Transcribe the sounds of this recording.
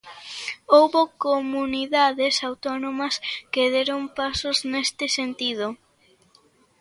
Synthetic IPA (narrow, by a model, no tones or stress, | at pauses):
owβokomuniðaðesawt̪ɔnomɐskeðeɾompasoznest̪ɪsent̪ið̞o